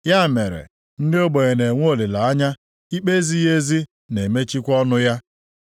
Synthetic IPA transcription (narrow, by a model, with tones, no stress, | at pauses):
ja˦˨me˨ɾḛ˨ | n̩˦dɪ˦o˦ɡ͡bo˨ɣe˨ne˨ŋʷ˦o˨le˨la˨a˦ɲa˦ | i˦k͡pe˦zi˦je˦zi˦ | ne˨me˦t͡ʃi˦kʷɔ˦nʊ˦ja˦